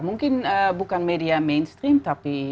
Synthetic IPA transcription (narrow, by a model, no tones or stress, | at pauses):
muŋkinəbukanmediamenstrimtapi